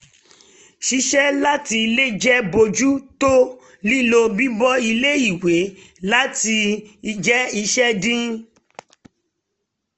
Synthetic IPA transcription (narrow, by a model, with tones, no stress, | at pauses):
ʃi˧˦ʃɛ˦la˦ti˧le˦d͡ʒɛ˦bo˧d͡ʒu˦to˦ | li˦lo˧bi˦bɔ˦i˧le˦i˦˨we˨˦ | la˦ti˧i˧d͡ʒɛ˦i˧ʃɛ˦dĩ˦